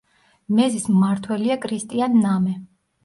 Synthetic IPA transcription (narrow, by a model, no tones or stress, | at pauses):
mɛzismaɾt̪ʰwɛliakʰɾist̪ʼianːamɛ